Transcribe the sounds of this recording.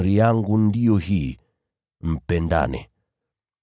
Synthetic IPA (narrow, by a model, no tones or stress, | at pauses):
ɾijaŋɡundiɔhi | m̩pɛnda̰nɛ̰